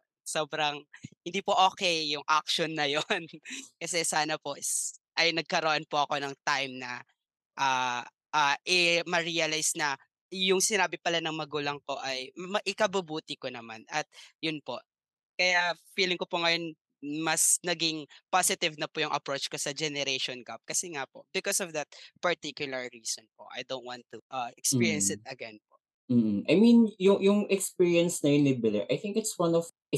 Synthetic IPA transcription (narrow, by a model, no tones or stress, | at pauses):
soːbɾɐŋhɪ̃nd̪iːpoʔoːkɛjːʊŋʔak̚ʃonːɐjonkɐsɛsaːnɐpo̞ʔ | ʔɐjnɐɡ̚kɐɾɐʔo̞npoʔɐko̞nɐŋt̪ajmnɐ | ʔaː | ʔaːʔɪmɐɹijɐlajsnɐ | jʊŋsɪnaːbɪpɐlanɐŋmɐɡuːlɐŋpo̞ʔɐjmɐʔɪkɐbʊbuːt̪ɪkonɐma̰nɐt̪̚jʊnpo̞̰ʔ | kɐjafiːlɪŋkopʊŋɐjon | mɐsnɐɡɪŋpasɪt̪ɪvnɐpʊjʊŋʔɐ̰pɾot͡ʃkosɐd͡ʒɛnɛɾejʃɔnɡap̚kɐsɛŋapo̞bɪkɔsɔvd̪ɐt̪̚pɐɹt̪ikjʊlɐɹːiːsɔnpo̰ʔɐ̰jd̪ow̃nwant̪uʔɐɛkspiːɹjɛnsɪt̪̚ɐɡɛnpoʔ | m̩ːm̩ʔajmĩnjʊŋjʊŋʔɛkspiːɹiɐnsnɐjɪnlɪbɪlɛɹʔajθɪ̃ŋkɪt̪swɐ̃nɔv | ɪ